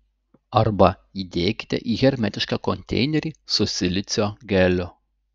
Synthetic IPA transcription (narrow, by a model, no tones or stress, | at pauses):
ɐɾbɐ | id̪ʲeːkʲɪ̥t̪ʲɛ̰ʔiːɣʲɛɾʲmʲæt̪ʲɪʃkɑːkɔnʲt̪ʲɛ̰ɪnʲɛɾʲiːsʊsʲɪlʲɪt̪sʲoːɡʲɛlʲʊ